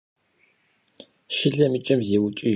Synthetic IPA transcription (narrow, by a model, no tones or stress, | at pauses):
ʃɪɮɐmit͡ʃʼɐmzeːwʊt͡ʃʼi